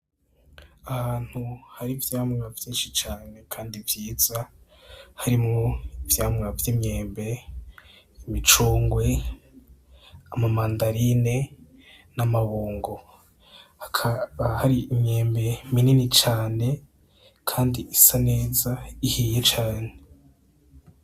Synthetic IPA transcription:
ahaːn̥huhaɾivjaːmŋavjiːnʃit͡ʃaːne̞kʰaːndivjiːz̥a | haɾimŋoivjaːmŋavjimɲe̞ːmbe̞ | imit͡ʃuːŋɡwe̞ | amamaːndaɾine̞ | namaβuːŋɡo̞ | hakʰaβahaɾiimɲe̞ːmbe̞mininit͡ʃaːne̞ | kʰaːndiʔisane̞ːzaihiːjet͡ʃaːne

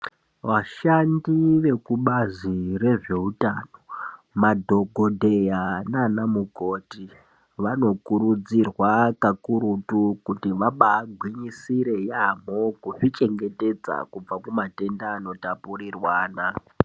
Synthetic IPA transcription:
ʋaʃandiʋe̞kuɓazire̞ʐe̞utano̞ | madʱo̞ɡʱo̞dʱejananamukoːti | ʋano̞kuɾud͡zirwakakuɾutukutiʋaɓaːɡʱwiɲisiɾe̞jam̤okuʐit͡ʃe̞ŋɡe̞te̞d͡za̰kub͡vakumate̞ndaːno̞tapurirwaːna

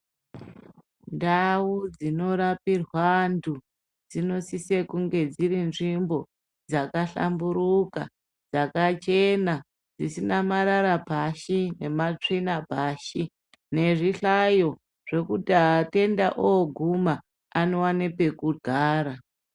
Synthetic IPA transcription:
ndawud͡zino̞ɾapirwandu | d͡zino̞sisekuŋɡe̞d͡ziɾinʐimbo̞ | d͡zakaɬa̰mbuɾuka̰ | d͡zakat͡ʃe̞na | d͡zisinamaɾaɾabʱaʃine̞mat͡ʂinabʱaʃi | ne̞ʐiɬajo̞ | ʐ̥e̞kutate̞ndaʔooɡʱumaː | nowanepe̞kudʱaːɾa

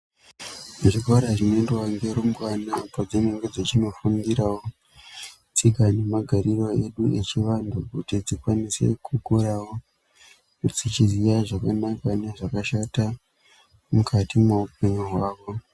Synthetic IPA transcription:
uʐikaɾaʐinoendewaŋɡeɾomɡwanapad͡zeneŋɡod͡zet͡ʃino̞fuŋɡiɾawo | t͡sikane̞maɡʱaɾiro̞e̞ɗue̞t͡ʃiʋandukutid͡zikwanise̞̰kukuɾawo | d͡zit͡ʃizijaʐakanakane̞ʐakaʃata | mukatimweupe̞ɲuɦwaːʋo̞

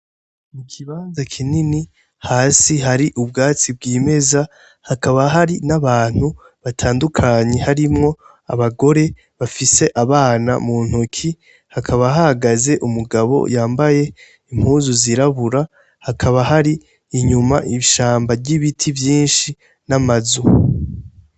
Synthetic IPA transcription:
mukʰiβaːnzakʰinini | haːsiɦaɾiʔubɡaːt͡sibɡiːme̞za | hakaβaɦaɾinaβaːn̥hu | βatʰaːndukʰaɲe̞haɾimŋo̞ | a̰βaɡo̞ɾe̞ | βafise̞ʔaβaːna̰muːn̥hukʰi | hakʰaβaɦahaɡaze̞ʔumuɡaβo̞̰jaːmbaje̞ | im̥huːzuziɾaβuɾa | hakʰaβaɦaɾiː | ɲumaʔiʃaːmbaɟiβitʰivjiːnʃi | namazu

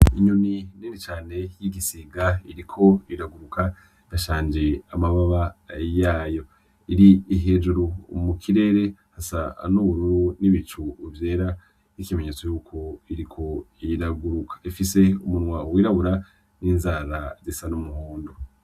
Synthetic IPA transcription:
iɲunininit͡ʃaːne̞jiɡisiɡaiɾikʰo̞iɾaɡuɾukʰa | ijaʃaːɲd͡ʒeamaβaβajaːjo̞ | iɾiiɦed͡ʒuɾumukʰiɾe̞ːɾe̞hasa̰nuuɾuniβit͡ʃuvje̞ːɾa | nikime̞ɲe̞t͡sojuːkʰo̞iɾikʰo̞iɾaɡuɾukʰḁifise̞umunŋwawiɾaβuɾa | ninzaɾazisanumuhuːndo

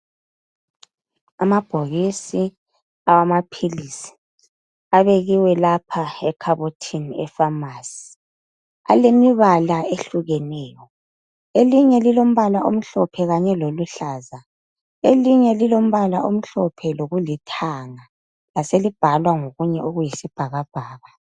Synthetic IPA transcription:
amab̥ʱoɣisi | awamapʰilisi̥ | aβeɣiwɛlapʰaɛkʰaβotʰinɛfamaːsi̥ | a̰lemiβalaeɬuɣɛnɛːjɔ | eliɲɛlilom̩βalaʔom̩ɬɔpʰɛɣaɲɛloluɬaːza | eliɲɛlilom̩βalaʔom̩ɬɔpʰɛloɣulitʰaŋa | laselib̥ʱalwaŋoɣuɲɛʔoɣujisib̥ʱaɣab̥ʱaːɣa

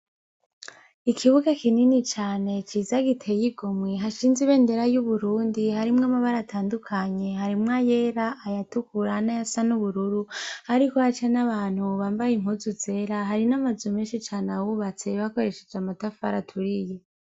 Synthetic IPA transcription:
ikʰiβuɡakininit͡ʃaːne̞t͡ʃiːzaɡitʰe̞jiɡomŋweɦaʃiːnziβe̞ːnde̞ɾajuβuɾuːndihaɾimŋamaβaɾatʰaːndukʰaɲe̞ɦaɾimŋaje̞ːɾaʔːjatukuɾanajasanuβuɾuɾuhaɾikohat͡ʃenaβaːn̥huβaːmbajiŋ̥huzuze̞ɾaɦaɾinamazumeːnʃit͡ʃaːnawuβat͡se̞βako̞ɾe̞ʃe̞̥d͡ʒamatafaɾatʰuɾije

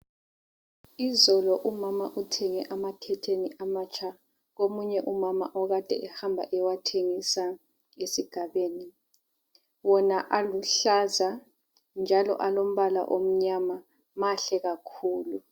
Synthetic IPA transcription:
izɔlɔʔumamaʔutʰɛŋɛʔamatʰɛtʰeniʔamat͡ʃʰʼa | ɣomuɲɛʔumama̰ʔɔɣad̥ʱɛ̰ʔɛhambʱa̰ʔɛwatʰeŋisa | ŋesiɡ̥ʱaβeːni | wɔnaʔaluɬaza | nd͡ʒʱalɔ̰ʔalom̩βala̰ʔom̩ɲama | maɬɛɣakʰuːlu

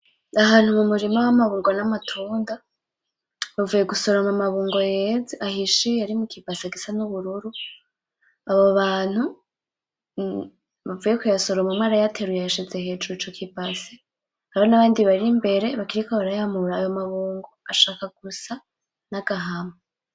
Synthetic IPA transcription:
ahaːnhumumuɾimawamaβuːŋɡonamatʰuːnda | βavuje̞ɡusoɾamamaβuːŋɡo̞jeːzeʔahiʃijaɾimukibaseɡisanuβuɾuɾu | aβo̞βaːn̥hu | βavujekujaso̞ɾomumŋaːɾajatʰeɾujaʃezeɦe̞ːt͡ʃut͡ʃokʰibase | aβonaβaːndiβaɾimbe̞ɾe̞βakiɾikoβaɾajamuɾaːjomaβuːŋɡo̞aʃaːkaɡ̥usa | naɡ̥aɦama

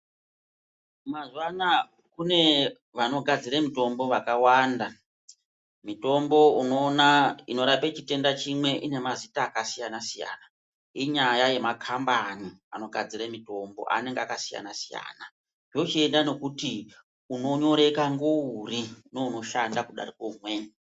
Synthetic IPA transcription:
mazwana | kune̞ | ʋano̞ɡʱad͡ziɾamito̞mbo̞ʋakawanda | mito̞mbo̞uno̞ːnaino̞ɾapet͡ʃite̞ndat͡ʃimwe̞ʔine̞mazitaːkasijanasija̰na | iɲajaje̞makʰambaniano̞ɡʱad͡ziɾamito̞mbo̞̰ʔa̰ne̞ŋɡeakasija̰nasija̰ːna | jo̞t͡ʃie̞ndano̞kuti | uno̞ɲo̞ɾe̞kaŋɡourino̞uno̞ʃandakuɗa̰rikoumwe

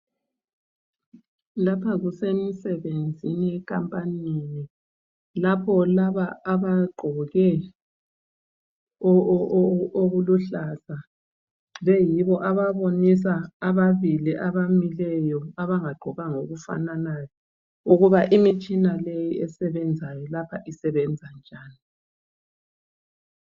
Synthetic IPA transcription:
lapʰaɣusemisɛβend͡zʱiniɛkʰʼampʼanini | lapʰɔlaβaaβaɡ͡ǃʱɔɣɛ | oɣuluɬaza | βɛjiβɔʔaβaβonisaːβaβiliʔaβamilɛjɔaβaŋaɡ͡ǃʱɔɣaŋoɣufa̰nanajɔ | uɣuβaʔimit͡ʃʼinalejiɛsɛβɛnd͡zʱajɔlapʰaʔisɛβɛnd͡zʱand͡ʒʱaːni

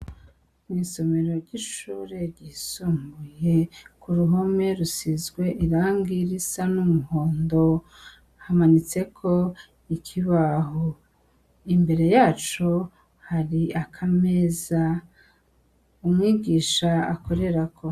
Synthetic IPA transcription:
miːso̞me̞ɾo̞ɾɟiʃuːɾe̞ɾɟisombuje̞kuɾuɦome̞ɾusizɡwe̞ʔiɾaːŋɡiɾisanumuho̞ːndo̞ | hamanit͡se̞kʰo̞ | ikʰiβaɦo | imbe̞ɾe̞jaːt͡ʃo̞ | haɾiakʰame̞za | umŋiːɡiːʃaako̞ɾe̞ɾakʰo̞

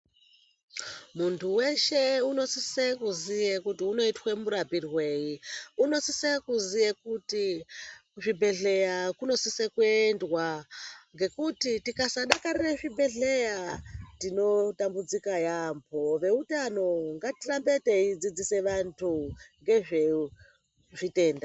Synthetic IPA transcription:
muntʰuwe̞ʃeuno̞sisekuzijekutiuno̞itwemuɾapirwe̞ːjiuno̞sisekuzijekuti | ʐibʱe̞ɮe̞jakuno̞sisekwendwaŋɡe̞kutitikasaɗakarireʐibʱe̞ɮejatino̞tambud͡zikajampʰo̞ʋe̞utano̞ŋɡatirambe̞te̞id͡zid͡zise̞ʋantʰuŋɡe̞ʐe | ʐite̞ːnda

